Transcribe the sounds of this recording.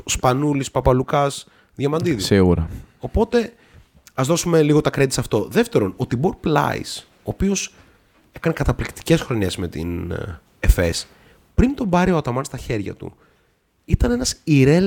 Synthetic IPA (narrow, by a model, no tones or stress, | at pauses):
spɐnulispɐpɐlukɐs | ðʝɐmɐnd̪iðisiɣuɾɐo̞po̞t̪e̞ | ɐzðo̞sume̞liɣo̞t̪ɐkɾet̪isɐft̪o̞ðe̞ft̪e̞ɾo̞not̪iboɾplɐ̰ḭs | o̞ːpio̞s | e̞kɐne̞kɐt̪ɐplikt̪i̥ce̞sxɾo̞ɲe̞zme̞t̪ḭn | efe̞s | pɾint̪o̞mbɐɾioɐt̪ɐmɐnst̪ɐçe̞ɾʝɐ̰t̪ṵ | it̪ɐnenɐsiɾe